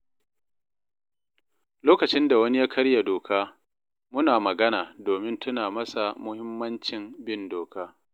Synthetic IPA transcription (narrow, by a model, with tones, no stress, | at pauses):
loː˦kɐ˨t͡ʃɪ˦nda˨wɐ˦ni˦jaː˦kʰɐ˦ɽja˨doː˨kʰaː˦ | mʊ˦naː˨mɐ˨ɡɐ˦naː˨doː˨mɪ˦ntʊ˦naː˨mɐ˦sa˨mʊ˦hɪ˦mːɐ˦nt͡ʃɪ˨mbɪ˦ndoː˨kaː˦